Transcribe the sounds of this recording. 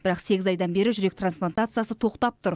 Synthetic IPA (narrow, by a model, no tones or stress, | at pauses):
bɪɾɑqse̞ɡʲɪzɑjd̪ɑnbe̞ɾɪʒʏɾe̞k̚t̪ransplˠant̪at̪sɨjasət̪ʰo̞qt̪ɑp̚t̪ʊɾ